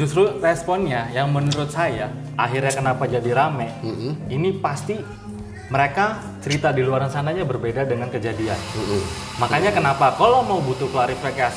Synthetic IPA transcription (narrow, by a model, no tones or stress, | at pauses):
d͡ʒust̪ɾurɛspɔnɲajaŋmənuɾʊt̪̚saja | ʔaɦirɲakənapad͡ʒadiɾamɛinipast̪i | məɾeka | t͡ʃəɾit̪adiluaɾansanaɲabərbedadəŋankəd͡ʒadia̰n | makaɲakənapakalawmaubut̪uklaɾifikas